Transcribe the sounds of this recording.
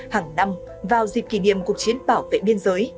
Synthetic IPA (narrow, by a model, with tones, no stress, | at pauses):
haː˨˩ŋna˧m | vaː˨˩wzi˨˩p̚ki˧˩nḭ˧˨əmku˨˩ək̚t͡ɕi˨˦ənɓaː˧˩wvḛ˧˨ɓi˧ənzəː˨˦j